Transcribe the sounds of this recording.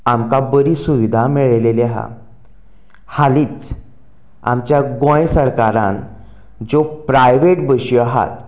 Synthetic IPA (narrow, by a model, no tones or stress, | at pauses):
amkabəɾiːsuʋid̪ʱamiɭleleaɦa̰ | haliːt͡s | a̰mt͡ɕjaɡõjsəɾkaɾã̰n | d͡zopɾajʋeʈbəɕiaɦa̰t̪